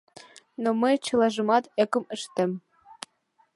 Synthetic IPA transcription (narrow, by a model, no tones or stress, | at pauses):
nomɘt͡ɕɤ̆lˠɑʒɤ̆mɑt̪ĕkə̆məʃt̪ɘ̆m